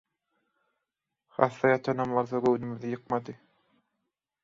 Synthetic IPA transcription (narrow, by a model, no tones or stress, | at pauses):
χɑ̰θːɑjɑt̪ʰɑnɑmlˠɑɾðɑɡɵwnymyðijɯq̚mɑd̪ɯ